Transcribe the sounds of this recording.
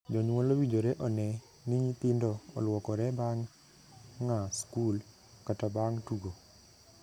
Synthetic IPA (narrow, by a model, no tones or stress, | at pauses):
d͡ʒɔɲwolowid͡ʒoɾeʔɔnɛ | niɲit̪ɪndɔɔ̰lwɔkɔɾɛbaŋː | askul | katabaŋtuɡo